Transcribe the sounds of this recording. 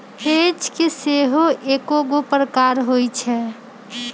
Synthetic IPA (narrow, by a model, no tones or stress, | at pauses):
hed͡ʒkiseɦoʔekoɡopɾəkaɾɦojt͡ʃʰɛ